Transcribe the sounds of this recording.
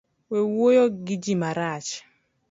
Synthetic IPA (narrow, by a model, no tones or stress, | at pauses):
wewojoɡɪd͡ʒimaɾat͡ʃ